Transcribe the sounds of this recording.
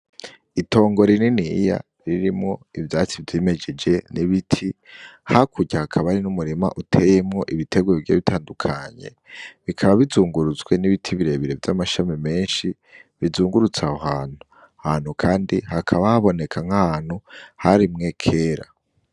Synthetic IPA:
ito̞ːŋɡo̞ɾininija̰ | ɾiɾimŋo̞ivjaːt͡sivjeːme̞d͡ʒe̞d͡ʒe̞niβitʰi | hakʰuɟahakʰaβaɾinumuɾima̰ʔutʰe̞jemŋo̞ʔiβitʰe̞ɡwevɟeːβitʰaːndukʰaɲe̞̰ | βikʰaβaβizuːŋɡuɾuzɡwe̞niβitʰiβiɾe̞βiɾe̞vjamaʃamime̞ːnʃi | βizuːŋɡuɾut͡saahaːn̥hu | ahaːn̥hukʰaːndihakʰaβahaβo̞ne̞kʰaŋ̥hahaːn̥huhaɾimŋe̞kʰe̞ːɾa̰

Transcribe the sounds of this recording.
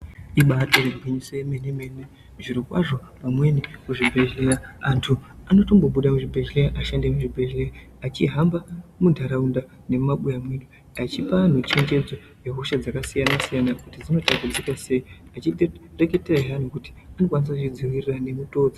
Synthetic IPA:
iɓato̞reɡʱwiɲisojemeneme̞ne | ʐiɾikwa̰ʐo̞pamwe̞nikuʐibʱe̞ʒeɾaantʰuanoto̞mbo̞ɓuɗamuʐibʱe̞ʒeleraʔaʃandemuʐibʱe̞ʒera | at͡ʃiɦambamudʱaɾaunda | ne̞maɓujamweɗu | at͡ʃipan̤ut͡ʃe̞ɲd͡ʒe̞d͡zo | jeɦoʃad͡zakasijanasijanakutid͡zino̞tabud͡zikase̞iat͡ʃire̞ke̞teraʐan̤ukuti̥ | ano̞kwanis̬akut͡ʃid͡ziwirirane̞muto̞ːd͡zi

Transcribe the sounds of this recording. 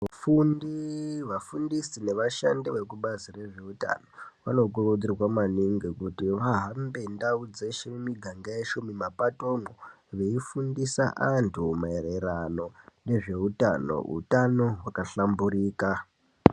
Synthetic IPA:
afundiʋafundisine̞ʋaʃandiʋe̞kuɓazire̞ʐe̞uta̰no̞ʋano̞kurod͡zirwamaniŋɡekutiʋaɦambe̞ndaud͡zeʃeumiɡʱaŋɡajeʃumimapato̞mo | ʋe̞ifundisa̰ʔantʰumaereɾano̞ne̞ʐe̞uta̰no̞̰ṵtano̞wakaɬambuɾiːka

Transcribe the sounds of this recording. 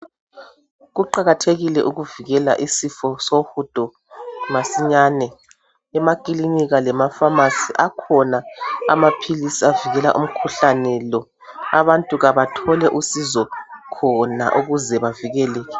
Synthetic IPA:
ɣuǃaɣatʰeɣilɛʔuɣuviɣɛla̰ʔisifɔsohud̥ʱɔ | masiɲanɛ | ɛmakʼiliniɣalɛmafamasiʔakʰɔnaa̰mapʰilisiaviɣɛla̰ʔum̩kʰuɬanɛlɔ | aβantʼuɣaβatʰɔlɛʔusizɔkʰɔna̰ʔuɣuzɛβaviɣɛlɛːɣɛ

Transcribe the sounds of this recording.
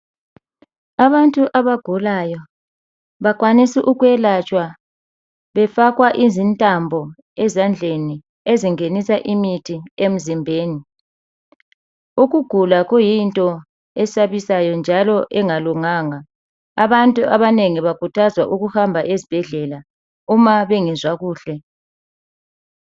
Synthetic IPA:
aβantʼuʔaβaɡ̥ʱulajɔ | βaɣwanisiʔuɣwɛlat͡ʃʼwa | βɛfaɣwaʔizintʼambʱɔ | ɛzand͡ɮʱeni | eziŋenisaʔimitʰiem̩zimbʱeːni | uɣuɡ̥ʱulaɣujintʼɔ | ɛsaβisajɔnd͡ʒʱalɔʔɛŋaluŋaːŋaː | βantʼuʔaβaneŋiβakʰutʰazwaʔuɣuhambʱaʔezib̥ʱɛɮɛla | umaβeŋizwaɣuːɬɛ

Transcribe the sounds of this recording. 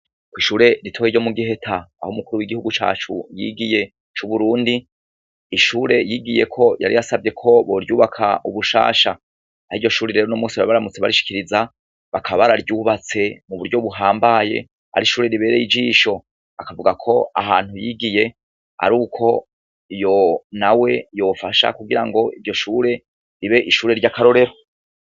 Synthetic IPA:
kwiːʃuːɾe̞ɾitʰo̞ːjiɟo̞muɡihe̞tʰaa̰humukuɾuwiɡihuɡut͡ʃa̰ːt͡ʃṵjḭɡije̞ | t͡ʃuβuɾuːndiː | ʃuːɾe̞jiːɡije̞kʰo̞jʔa̰ɾijasabɟe̞kʰo̞βoɾjuːβakʰaʔuβuʃa̰ːʃa | aɾiːɟo̞ʃuːɾeɾe̞ːɾonomuːsiβaaβaɾamut͡seβaɾiʃi̥kiɾiza | βakʰaβaɾaɾjuːβat͡se̞muβuɾɟoβuɦaːmbaje̞̰ | a̰ɾiʃuːɾe̞ɾiβe̞ːɾejid͡ʒiːʃo̞ | akavuɡakʰo̞a̰haːn̥hujiɡije̞ | a̰ɾuːkʰo̞ | ijo̞nawe̞jo̞ːfaʃa̰kuɡiɾaŋɡo̞iɾɟo̞ʃuːɾe̞ | ɾiβe̞ʔiʃuːɾe̞ɾɟakaɾo̞ɾe̞ɾo

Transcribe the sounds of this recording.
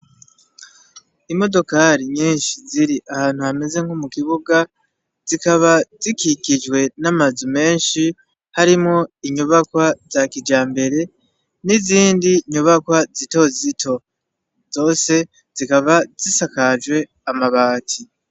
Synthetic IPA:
imo̞do̞kaːɾiɲiːnʃiziɾiʔahaːn̥huhame̞ze̞ŋ̥humukiβuɡa | z̥ikaβazikikid͡ʒwe̞namazume̞ːnʃi | haɾimŋo̞iɲuβakwaz̥akid͡ʒaːmbe̞ɾe̞ | niziːndiɲuβakwazito̞zitʰo̞ | z̥o̞ːse̞ | z̥ikaβaz̥isakad͡ʒwe̞ | amaβaːtʰi

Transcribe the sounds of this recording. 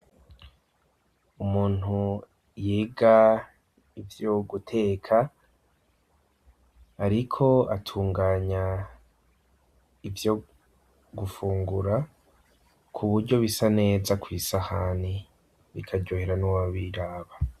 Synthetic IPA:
umuːn̥hu | jiːɡa | ivjoɡutʰe̞ːkʰa | ɾikʰo̞atʰuːŋɡaːɲa | ivjo̞ | ɡufuːŋɡuɾa | kʰuβuɾɟo̞βisane̞ːzakwiːsahani | βḭkʰaɟoheɾanuwaβiɾaːβa

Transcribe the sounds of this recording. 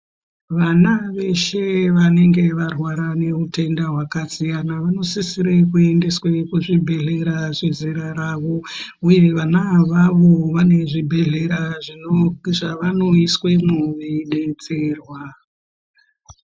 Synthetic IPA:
ʋanaʋe̞ʃe̞ʋane̞ŋɡe̞ʋarwaɾane̞utʰe̞ndaɦwakasijanaʋano̞sisiɾekue̞nde̞swekuʐibʱe̞ɮe̞ɾaʐeziɾaɾaʋo̞uje̞ʋanaʋaʋo̞ʋane̞ʐibʱe̞ɮe̞ɾaʐinʐaʋano̞iswe̞muʋiɗet͡se̞rwa

